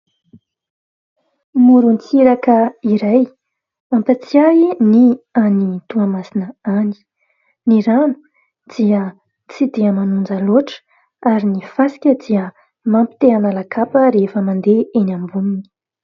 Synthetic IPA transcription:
muɾunt͡siɾakəiɾaj | ampat͡siainianit̪uamasinəani̥ | niɾanu̥ | d̪̥iə | t͡sid̪iəmanund͡zaloʈ͡ʂə̥ | aɾinifasi̥kʲəd̪iə | mampi̥t̪eanalakʰapəɾefəmand̪eenambumini̥

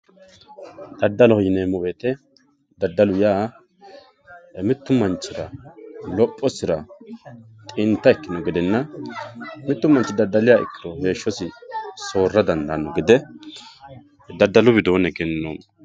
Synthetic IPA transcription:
d̪̥ɐd̪ːɐlɔhjneːmʊbeːt̪ɛ | d̪ɐd̪ːɐlʊjaː | mɪt̪ːʊmɐnt͡ʃːɪɾɐ̰lɔpʼːɔsɪɾɐ | t̪ʼɪnt̪ːɐɛkːɪnɔɡɪd̪ɛnːɐ | mɪt̪ːʊmɐnt͡ʃːɪd̪ɐd̪ːɐlɪjaːɪ̰kːɪɾɔhe̞ːʃːɔsɪso̞ːrːɐd̪ɐnd̪ɐnɔɡɪd̪ɛ | d̪ɐd̪ːɐlʊbɪd̪oːnɛɡɛnːoːm

